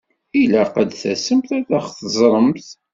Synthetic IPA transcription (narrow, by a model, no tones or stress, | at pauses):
ilæqəd̪θæsəmθæθæχθəzˤɾˤəmθ